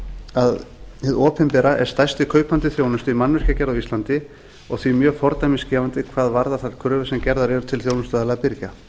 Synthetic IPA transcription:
aðhɪðɔːpɪnpɛːɾaʔɛ̰ɾ̥st̪ajst̪ɪkʰœːɥpant̪ɪθjownʏst̪ʏimanːvʏscacɛɾðawist̪ant̪ɪ | ɔɣθvimjœːɣfɔɾt̪ajmɪnscɛːvant̪ɪkʰvaːðvaɾðaθalkʰɾʏːvʏsɛmcɛɾðaɾjɛɾʏ̥t̪ʰɪlθjownʏsaðalaɣpɪɾca

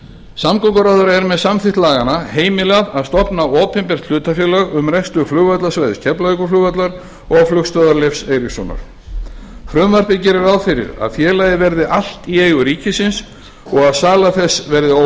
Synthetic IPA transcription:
samkɔkaɾaðʏɾɛɾmɛðsamθɪht̪laːɣanaheːjmɪlɛɣaðaðst̪ɔpnaɔːpɛmpɛr̥t̪l̥ʏːt̪afjœːlœɣʏmrɛkst̪ʏflʏːɣvat̪lasvajðɪscʰɛplaikʏflʏːɣvat̪laɾ | ɔɣflʏxst̪vœðaɾlejfsejɾɪsɔ̰na̰ɾ̥ | fɾʏmvar̥p̪ɪcɪɾɪɾawðfɪɾɪ̰ɾa̰ðfjɛːlajðɪvɛɾðɪʔal̥t̪ieːjɣʏɾiːcɪsɪns | ɔɣaðsaːlaθɛsvɛɾðɪo

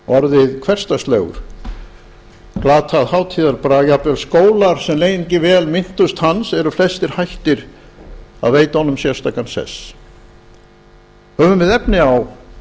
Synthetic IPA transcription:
ɔɾðɪðkʰvɛr̥st̪ast̪lœɣʏ̰ɾ̥ | klaːt̪ʰaðhaːwt̪ʰiːðaɾpɾajapvɛlskoːwlaɾ̥sɛmlejnɪɲcɪvɛːlmɪn̥t̪ʏst̪hansɛɾʏflɛst̪ɪɾ̥hajht̪ɪɾ | a̰ðveːjt̪aɔnːʏmsjɛ̥st̪aːkansɛ̰s | hœːvʏmvɪðɛpnɪaw

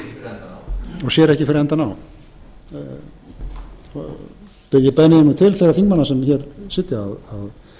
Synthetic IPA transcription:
ɔɣsjɛːɾɛhcɪfɪɾɛnt̪anaw | pɪɣjɪpɛnɪɪnːut̪ʰɪlθɛraθiŋkmanːasɛmçɛɾsɪt̪jɪaðað

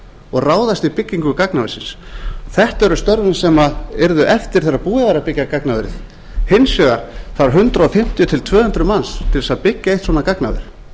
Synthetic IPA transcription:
ɔɣraːwðast̪ipɪcːiŋkʏkaknaveɾsɪnsθɛht̪ɛɾʏst̪œɾvɪnsɛmaɛɾðʏʔɛft̪ɪɾ̥θɛrːapuːðavaɾapɪcːakaknavɾɪ̰ð | hɪnsjœɣaɾ̥θaɾɦʏnt̪ɾaɔfɪm̥t̪jʏt̪ʰɪlt̪ʰvœːhʏnt̪ɾʏmanst̪ʰɪlðɛsaðpɪcːaejht̪swɔːnakaknavɪ̰ɾ̥

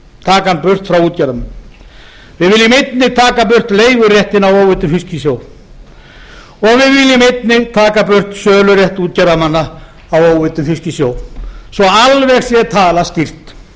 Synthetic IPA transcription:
t̪ʰaːkanpʏr̥t̪fɾawuːt̪̚caɾðaman | vɪðvɪlːɪmejt̪nɪt̪ʰaːkap̬ʏr̥t̪leːjɣʏrjɛht̪ɪnawoːwvɪt̪ʏmfiscɪsjoːw | ɔɣvɪðvɪlːɪmet̪nɪt̪ʰaːkapʏr̥t̪sœːlʏrjɛht̪uːt̪̚caɾðamanːaː | woːwvɪt̪ʏmfiscɪsjoːwsɔalvɛɣsjɛt̪ʰaːlastcir̥t̪

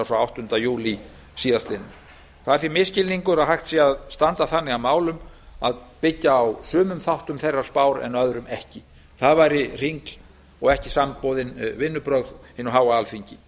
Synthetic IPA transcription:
aɾfɾawawht̪ʏnt̪ajuːli | siːðast̪lɪnː | θaðɾfɪɾmɪscɪlniŋkʏɾaðɦajxt̪siːaðst̪ant̪aθanːɪɣamaːwlʏm | aðpɪcːaːwsʏːmʏmθawht̪ʏmθejrːaɾ̥spaːwɾɛ̰nœðɾʏmɛhcɪ | θaðvajɾɪr̥iŋkl | ɔɣɛhcɪsampowðɪnvɪnːʏpɾœɣðhɪnːʏɦaːwaalfiɲcɪ

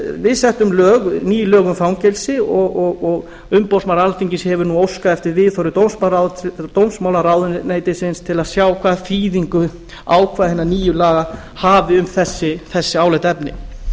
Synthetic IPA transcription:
vɪðsɛht̪ʏmlœːɣniːjʏlœːɣʏmfɾawŋcɛlsɪɔɣɔɣɔɣ | ʏmpowsmawɾalfiɲcɪshɛvʏɾnuowskaɛft̪ɪɾvɪːðθɔɾɪt̪owmsmaɾawðt̪owmsmawlaɾawðʏneːjt̪ɪsɪnst̪ʰɪlaðsjaːwkʰvaːðfiːðiŋkʏ | aːwkʰvaːðhenːaniːjʏlaːɣa | haːvɪʏmθɛsːɪθɛsːɪaːwlɛjt̪ɛpnɪ̰

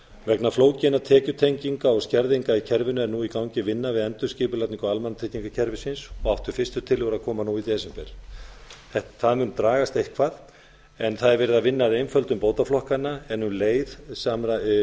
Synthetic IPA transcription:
vɛknafloːwcɪnat̪ʰɛːcʏt̪ʰejɲciŋkaɔɣscɛɾðiŋkaicʰɛɾvɪnʏɛɾnuikawɲcɪvɪnːavɪðɛnt̪ʏscɪːpʏlat̪niŋkaalmanːt̪ʰɪc̪iŋkacʰɛɾvɪsɪnsɔɣaft̪ʏɾ̥fɪst̪ʏt̪ʰɪlɪɣʏɾaðkʰɔːmanuit̪ɛsɛmpɛ̰ɾ̥ | θɛht̪θaðmʏnt̪ɾaːɣast̪ejhkʰvað | ɛnθaðɛɾvɛːɾɪðavɪnːaðejnfœlt̪ʏmpoːwt̪aflɔhkanːaɛnuleːjðsama

